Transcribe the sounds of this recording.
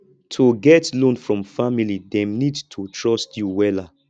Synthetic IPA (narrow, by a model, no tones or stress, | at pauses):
tʰoɡɛtlõnfɹɔ̃mfamilidɛ̃mnidtʰotʰɹɔstjuwɛla